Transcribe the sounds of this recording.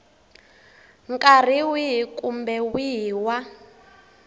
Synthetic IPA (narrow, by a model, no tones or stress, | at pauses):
ŋkʼar̤iwiɦkʼumbɛwiwa